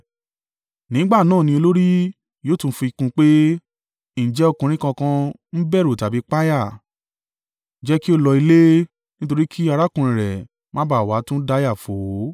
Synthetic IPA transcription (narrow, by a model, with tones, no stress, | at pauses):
nĩ˨˦ɡ͡ba˦˨nãː˦˨nĩ˧o˧lo˦ɾi˦ | joː˦tũ˧˦fĩ˧i˧kũ˧k͡pe˦˨ | d͡ʒɛ˦o˦˧˨kũ˧ɾ̃ĩ˦kã˧kã˧ | n̩˦bɛ˦˨ɾo˨ta˨bi˨˦k͡pa˦ja˦˨ | d͡ʒɛ˦ki˦o˦lɔ˧i˧le˦ | nĩ˦to˧ɾi˦kʰi˦a˧ɾa˦kũ˧ɾ̃ĩ˨ɾɛ̰˨ | mã˨˦ba˨wa˨˦tũ˦da˧˦ja˦˨fo˨˦